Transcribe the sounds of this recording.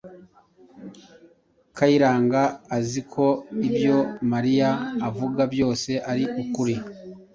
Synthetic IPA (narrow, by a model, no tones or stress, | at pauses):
kaiɾaːŋɡaːzikʰo̞ibjo̞maɾijaːvuɡabjo̞ːse̞ʔaɾiʔukuɾi